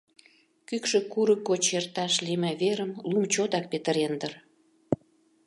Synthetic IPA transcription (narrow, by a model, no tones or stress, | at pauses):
kykʃø̆kuɾəkːot͡ɕert̪ɑʃlimæβeɾəmlumt͡ɕot̪ɑk̚pet̪əɾend̪ər